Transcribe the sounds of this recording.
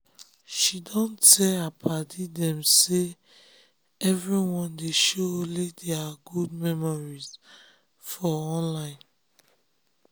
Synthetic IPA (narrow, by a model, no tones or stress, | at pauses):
ʃidɔ̃ntɛapʰadidɛ̃mse | ɛvɹiwɔ̃ndeʃolideaɡud̚mɛmɔɹiz̥ | fɔɔ̃nlãɪ̃n